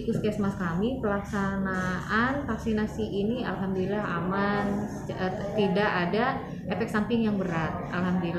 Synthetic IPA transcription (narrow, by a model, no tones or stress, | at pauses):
ikuskiasmakamipəlaksanaʔanfaksinasiʔinia̰lɦamdolilahaman | t̪idaʔːda | ɛfɛk̚sampɪŋjaŋbəɾat̪̚ʔalɦamdoila